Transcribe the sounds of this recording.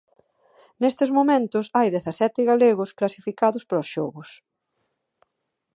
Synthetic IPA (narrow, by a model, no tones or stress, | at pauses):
nest̪ɪzmomẽnt̪ʊsajðeθɐsɛt̪ɪɣaleɣʊsklasifikaðʊspɾosʃɔɣʊs